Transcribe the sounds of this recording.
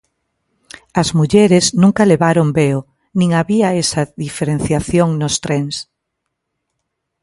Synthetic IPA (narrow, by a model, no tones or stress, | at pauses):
ɐzmuʎeɾeznũŋkɐleβaɾombeo | nĩŋaβiaesɐðifeɾen̟θjaθjoŋnost̪ɾeŋs